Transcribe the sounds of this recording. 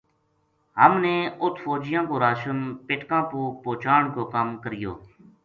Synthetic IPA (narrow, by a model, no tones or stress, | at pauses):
ɦəmnẽːʊt̪ʰfoːd͡ʒɪjãːkoːɾaːʃənpɪʈkãːpuːpoːt͡ʃaːɳkoːkaːmkəɾɪjo̰ː